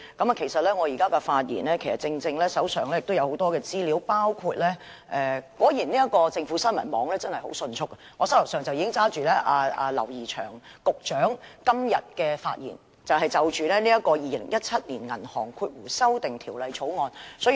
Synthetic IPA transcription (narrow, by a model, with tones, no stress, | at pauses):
kɐ˨˥ma˨kʰe˨˩jsɐ˨t̚lɛː˥ŋɔ˨˧jiː˨˩kaː˥kɛ˧faː˧t̚jḭː˨˩nlɛː˥kʰe˨˩jsɐ̰˨t̚t͡sɪ˧ŋt͡sɪ˧ŋlɛː˥sɐ˨˥wsœː˨˩ŋlɛː˥jɪ˨k̚t̪o˥wjɐ˨˧who˨˥wt̪ɔː˥kɛː˧t͡siː˥liː˨˥wpaː˥wkʰuː˧t̚lɛː˥ | ʔɛ˧kɔː˨˥jiː˨˩niː˥jɐ˥t̚kɔː˧t͡sɪ˧ŋfu˨˥sɐ˥nmɐ˨˩nmɔː˨˧ŋlɛː˥t͡sɐ˥nhɐ˨jho˨˥wsɵ˧nt͡ʃʰʊ˥kːɐ˧ŋɔ˨˧sɐ˥wlʊ˨˩sœː˨˩ŋt͡sɐ˨wjiː˨˧kɪ˥ŋt͡saː˥t͡ʃyː˨lɛː˥ʔaː˧ʔaː˧lɐ̰˨˩wjiː˨˩t͡ʃʰœ̰ː˨˩ŋkʊ˨k̚t͡ʃœː˨˥ŋkɐ˥mjɐ̰˨t̚kɛː˧fa̰ː˧t̚jḭː˨˩n | t͡sɐ˨wɦɐ˨jt͡sɐ˨wt͡ʃyː˨lɛː˥niː˥jɐ˥kɔː˧jiː˨lɪ̰˨˩ŋjɐ˥t̚t͡sʰɐ˥t̚niː˨˩nŋɐ̰˨˩nhɔ̰ː˨˩ŋkʰuː˧t̚wuː˨˩sɐ˥wt̪ɪ˨ŋt̪ʰiː˨˩wlɐ˨jt͡ʃʰo˨˥wŋɔː˨˧nsɔː˨˥